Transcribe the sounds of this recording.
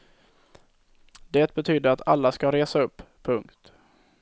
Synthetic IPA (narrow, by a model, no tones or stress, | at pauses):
d̪eːt̪̚bɛt̪ʰyːd̪əɾat̪ʰalːaskaɾeːsaɵpːʰɵŋkt̪